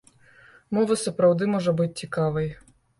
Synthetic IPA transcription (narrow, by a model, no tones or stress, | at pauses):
mɔʋɐsɐpɾɐwd̪ɪmɔʒɔbut̚ʲt͡sʲikɑʋɪj